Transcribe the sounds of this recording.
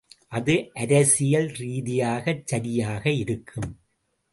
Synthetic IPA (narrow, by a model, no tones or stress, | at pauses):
ʔɐðɯʔɐɾɐsɪjɐlɾiːðɪjaːɣɐt͡ʃːɐɾɪjaːɣɐɪɾɯkʰːɯm